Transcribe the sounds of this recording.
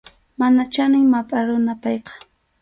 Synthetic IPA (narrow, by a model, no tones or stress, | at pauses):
manat͡ʃanɪŋmapʼaɾʊnapɑjqɑ̥